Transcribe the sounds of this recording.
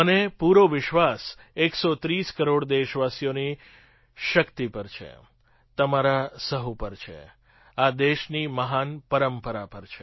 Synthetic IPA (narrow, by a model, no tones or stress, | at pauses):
ənepuɾoʋɪʃʋaseksot̪ɾiskəɾoɽd̪eʃʋasijoni | ʃəkt̪ipəɾt͡ʃʰḛ | t̪əmaɾasəɦupəɾt͡ʃʰḛ | ad̪eʃniməɦanpəɾəmpəɾapəɾt͡ʃʰe